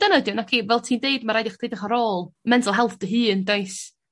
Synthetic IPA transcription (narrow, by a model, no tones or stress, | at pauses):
d̥ənədjɔnakʰivɛlˠtʰiːndeɨdmaɾajdɪχd̥ejdɪχaɾoːlˠmɛndʰɔlˠɦɛlˠθd̥əɦɨːəndejs